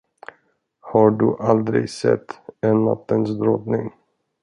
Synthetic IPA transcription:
haɖɵʔald̪ɾɪ̰ɡsɛ̰t̪ʰːɛnːa̰t̪ːənsd̪ɾɔt̪nɪŋ

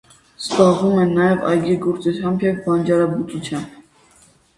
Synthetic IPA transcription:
sbɑʁumɛnːɑjɛvɑ̰jɡiɡɔɾt͡sut͡sʰjɑmbjɛvbɑnd͡ʒɑɾɑbut͡sut͡sʰjɑmb

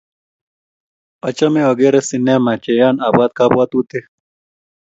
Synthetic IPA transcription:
ɐt͡ɕɐmewɐɡeːɾesineːmat͡ɕejaːnaːbaːd̪̚kaːbwaːt̪uːt̪e

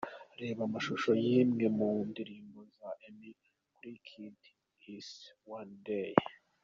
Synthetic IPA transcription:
ɾe̞ːβamaʃuʃo̞jimŋe̞mundiɾiːmɡozaʔemi | kuɾikʰid | iswandej

